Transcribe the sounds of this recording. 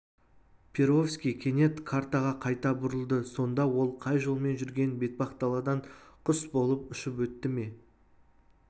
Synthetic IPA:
pʲʰeɾo̞fskʲijkʲʰe̞ne̞t̪kʰaɾt̪ɑʁɑqʰɑjt̪ɑbʊɾəlˠd̪əso̞nd̪ɑwo̞lˠqʰɑjʒo̞lˠme̞nʒʏɾɡʲe̞nbe̞t̪̚bɑqt̪ɑlˠɑd̪ɑɴqʰʊsbo̞lˠəpʏʃɪpwɵt̪ːɪme̞

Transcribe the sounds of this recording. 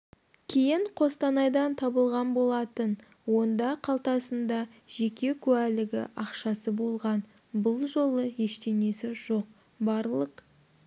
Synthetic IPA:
kʲʰejɪɴqʰo̞st̪ɑnɑjd̪ɑnt̪ʰɑbəlˠʁɑnbo̞lˠɑt̪ən | wo̞nd̪ɑqʰɑlˠt̪ɑsənd̪ɑʒe̞kʲe̞kʲʰʉælɪɡʲɪ̰ʔɑqʃɑsəbo̞lˠʁɑn | bʊlˠʒo̞lˠəje̞ʃt̪e̞ne̞sɪʒo̞q̚ | bɑɾlˠəq

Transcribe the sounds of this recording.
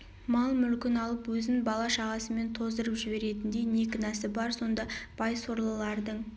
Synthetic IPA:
mɑlˠmʏlkʲɪnɑlˠəpwɵzɪŋbɑlˠɑʃɑʁɑsəme̞nt̪ʰo̞zd̪əɾəpʒɪbe̞ɾe̞t̪ɪnd̪e̞jne̞kʲɪnæsɪbɑɾso̞nd̪ɑb̥ɑjso̞ɾlˠəlˠɑɾd̪əɴ

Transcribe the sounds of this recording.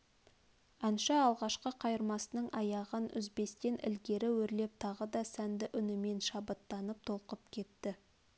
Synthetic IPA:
ɑnʃɑːlˠʁɑʃqəqʰɑjəɾmɑsənəɴɑjɑʁənʏ̰zbe̞st̪e̞nʔɪ̰lɡʲe̞ɾɪwɵɾle̞p̚t̪ʰɑʁəd̪ɑsænd̪ɪʔʏnɪme̞nʃɑbət̪ːɑnəp̚t̪ʰo̞lˠqəp̚kʲʰe̞t̪ːɪ

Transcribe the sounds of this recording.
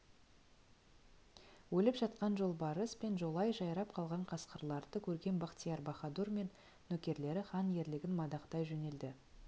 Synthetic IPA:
wɵlɪpʒɑt̪̚qɑnʒo̞lˠbɑɾəspe̞nʒo̞lˠɑjʒɑjɾɑpqʰɑlˠʁɑɴqʰɑsqəɾlˠɑɾd̪əkʲʰɵɾɡʲe̞nbɑqt̪ʲijɑɾbɑχɑd̪urme̞nː | ɵkʲe̞ɾle̞ɾɪχɑnje̞ɾlɪɡʲɪnmɑd̪ɑqt̪ɑjʒɵne̞ld̪ɪ

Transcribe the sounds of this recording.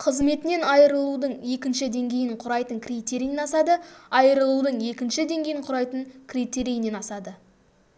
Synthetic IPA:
qʰəzme̞t̪ɪne̞nɑjəɾəlˠud̪əɴje̞kʲɪnʃɪd̪e̞ŋɡʲe̞jɪɴqʰʊɾɑjt̪əŋkʲʰrit̪ʲe̞ɾijenɑsɑd̪əɑjəɾəlˠud̪əɴje̞kʲɪnʃɪd̪eŋɡʲe̞jɪɴqʰʊɾɑjt̪əɴkʲʰrijt̪e̞ɾijnenɑsɑd̪ə

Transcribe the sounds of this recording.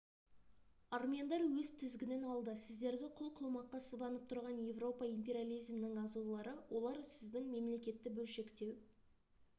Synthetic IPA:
ɑɾmijand̪ɑɾwɵzt̪ʰɪzɡʲɪnenɑlˠd̪əsɪzd̪e̞ɾd̪ɪqʰʊlˠqʰʊlˠmɑqːɑsəzbɑnəp̚t̪ʰʊɾʁɑnje̞vro̞pɑijmpʲe̞ɾʲijalˠijzmnɪŋɑzulˠɑɾəwo̞lˠɑɾsɪzd̪ɪŋme̞mle̞kʲe̞t̪ːɪbɵlʃe̞kt̪e̞w

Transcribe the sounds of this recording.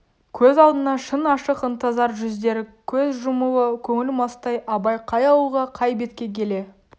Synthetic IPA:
kʲʰɵzɑlˠd̪ənɑʃənɑʃəqənt̪ɑzɑɾʒʏzd̪e̞ɾɪkʲʰɵzʒʊmuəkʲʰɵŋɪlmɑst̪ɑjʔɑbɑjqʰɑjɑuʁɑqʰɑjbe̞t̪kʲe̞kʲʰe̞le̞

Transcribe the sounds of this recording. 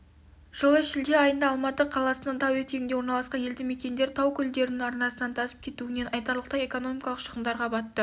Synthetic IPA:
ʒ̥əlˠəʃɪld̪e̞ɑjənd̪ɑːlˠmɑt̪əqʰɑlˠɑsənɑnt̪ʰɑwet̪ʰeɡɪnd̪ewo̞ɾnɑlˠɑsqɑnje̞ld̪ɪme̞kʲe̞nd̪e̞ɾt̪ʰɑwkʲʰʏld̪e̞ɾɪnɪŋɑɾnɑsənɑnt̪ʰɑsə̥p̚kʲʰe̞t̪uɪne̞nɑjt̪ɑɾlˠəqt̪ɑje̞ko̞no̞mʲijkɑlˠəqʃəʁəmd̪ɑɾqɑbɑt̪ːə

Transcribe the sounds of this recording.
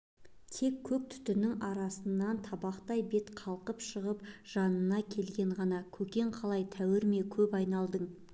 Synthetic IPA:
t̪ʰe̞kʲʰːɵk̚t̪ʰʏ̥t̪ɪnɪŋɑɾɑsənːɑnt̪ʰɑbɑqt̪ɑjbe̞t̪qʰɑlˠqəpʃəʁəpʒ̥ɑnənɑkʲʰe̞lɡʲe̞ɴʁɑnɑkʲʰɵkʲe̞ɴqʰɑlˠɑjt̪ʰæwɪɾme̞kʲʰɵpɑjnɑlˠd̪əɴ

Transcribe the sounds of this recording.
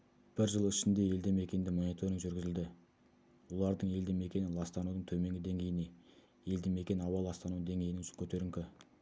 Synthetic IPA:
b̥ɪɾʒəlˠɪʃɪnd̪e̞je̞ld̪eme̞kʲe̞nd̪ɪmo̞nit̪ʰo̞ɾɪŋʒʏɾɡʲɪzɪld̪ɪ | wo̞lˠɑɾd̪əɴe̞ld̪eme̞kʲe̞nɪnlˠɑst̪ɑnud̪əɴt̪ʰɵme̞ŋɡʲɪd̪e̞ŋɡʲe̞jɪne | e̞ld̪eme̞kʲe̞nɑwɑlˠɑst̪ɑnud̪e̞ŋɡʲe̞jɪnɪŋʃɪŋkʲʰɵt̪e̞ɾɪŋkʲɪ

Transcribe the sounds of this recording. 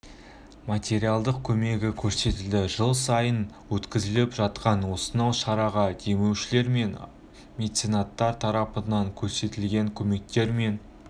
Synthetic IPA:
mat̪ʲe̞ɾijalˠd̪əq̚kʲʰɵme̞ɡʲɪkʲʰɵɾse̞t̪ɪld̪ɪʒəlˠsɑjənwɵt̪kʲɪzɪlɪpʒɑt̪qɑnwo̞sənɑwʃɑɾɑʁɑd̪e̞me̞wʃɪle̞ɾme̞n | mʲe̞t̪sijnɑt̪ːɑɾt̪ʰɑɾɑpənɑŋkʲʰɵɾse̞t̪ɪlɡʲe̞ŋkʲʰɵme̞k̚t̪e̞ɾme̞n

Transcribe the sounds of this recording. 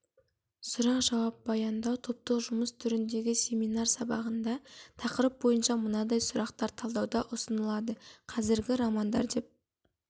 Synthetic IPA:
sʊɾɑqʒɑwɑp̚bɑjɑnd̪ɑwt̪ʰo̞p̚t̪əqʒʊməst̪ʰʏɾɪnd̪e̞ɡʲɪsʲe̞mijnɑrsɑbɑʁənd̪ɑt̪ʰɑqəɾəp̚bo̞jənʃɑmʊnɑd̪ɑjsʊɾɑqt̪ɑɾt̪ʰɑlˠd̪ɑwd̪ɑʔʊsənəlˠɑd̪əqʰɑzɪɾɡʲɪɾɑmɑnd̪ɑ̰ɾd̪e̞p̚

